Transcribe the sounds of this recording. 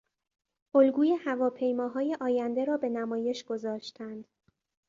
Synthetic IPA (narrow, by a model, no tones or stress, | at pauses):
ʔolɡuːje̞hævɒːpʰe̞jmɒːɦɒːje̞ʔɒːjænd̪e̞ɾɒːbe̞næmɒːje̞ʃɡ̥o̞zɒːʃt̪ʰænd̪̥